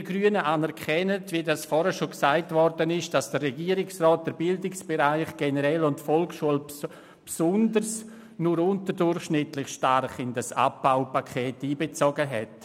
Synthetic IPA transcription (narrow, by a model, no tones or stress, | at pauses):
ɪɡryənəʔaːnɛɾkʰɛnətvidasfɔːɾəʃoksaɪtvɔrdənɪʃd̥asd̥ərrɛɡiːəɾɪksrɔːt̚d̥əɾbɪldɪksb̥eɾaɪχɡ̥enəɾɛlʊntfɔlkʃuəl | psʊndərs | nʊɾʊntəɾdʊrχʃnɪtlɪχʃtarχɪndasa̰p̚baʊpakʰeːtiːbet͡soɡəɦɛ̰t